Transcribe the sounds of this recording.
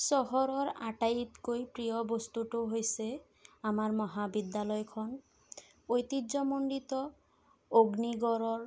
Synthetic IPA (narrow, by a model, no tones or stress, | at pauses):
sɔɦɔɾɔɾaʈajt̪kojpɾijɔbost̪uʈoɦojse | amaɾmɔɦabid̪ːalɔjkʰɔn | ojt̪idd͡ʒɔmoɳɖit̪ɔ | oɡniɡɔɾɔɾ